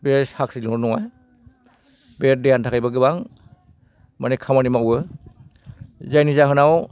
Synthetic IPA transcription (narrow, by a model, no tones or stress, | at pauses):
beshak̚silŋɔɾnɔŋaj | bet̚dejantʰakajbaɡɯbaŋ | manekʰamanimawɯ | zajnizaɦɯnaw